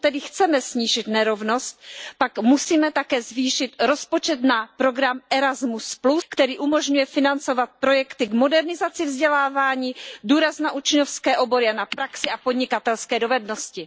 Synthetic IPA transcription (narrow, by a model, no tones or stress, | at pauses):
t̪ɛdɪxt͡sɛmɛsɲiːʒɪt̪nɛɾo̞vno̞st̪̚pakmusiːmɛt̪akɛːzviːʃɪt̪ɾo̞spo̞t͡ʃɛt̪napɾo̞ɡɾamʔɛɾazmuspluskt̪ɛɾiːʔumo̞ʒɲujɛfɪnant͡so̞vat̪̚pɾo̞jɛkt̪ɪɡmo̞dɛɾnɪzat͡sɪvzɟɛlaːvaːɲiːduːɾaznaʔut͡ʃɲofskɛːʔo̞bo̞ɾɪanapɾaksɪapod̪ɲɪkat̪ɛlskɛːdo̞vɛdno̞scɪ